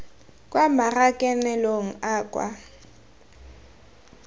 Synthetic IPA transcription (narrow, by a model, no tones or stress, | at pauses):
kʼwamarakʼɛnɛloŋ̩aːkʼwa̰